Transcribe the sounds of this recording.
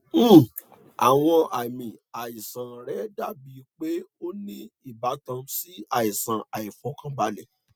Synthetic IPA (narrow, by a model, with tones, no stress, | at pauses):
a̰˨w̃ɔ̃˧ʔa˨mĩ˨a˨i˨sã˨ɾɛ˨˦da˦˨bi˨˦˧k͡pe˦o˦nĩ˦i˦˨ba˨˦tã˧si˦a˨i˨sã˨a˨i˨fɔ˨˦kã˦ba˦lɛ˦˨